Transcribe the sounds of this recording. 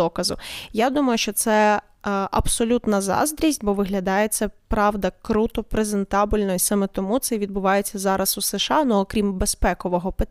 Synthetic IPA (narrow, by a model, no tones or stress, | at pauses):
ɔkɐzʊjad̪umɐjʊʃt͡ʃɔt̪sɛ | ʔɐ̰bsɔlʲut̪nɐzɑ̰zd̪ɾʲizʲtʲbɔʋɪɦlʲɐd̪ɑjet̪sʲɛpɾɑʋd̪ɐkɾut̪ɔpɾeze̞nt̪ɑbʲilʲnɔjisɑmɛt̪ɔmut̪sɛʋʲid̪̚bʊʋɑjet͡sʲːɐzɑɾɐsuseʃɑnʊːkɾʲimbespɛkɔʋɔɦɔpe